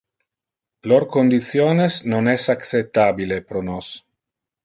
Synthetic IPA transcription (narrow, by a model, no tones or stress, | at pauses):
loɾkond̪it̪sjoːnesnonɛsakt͡set̪ːabilepɾonos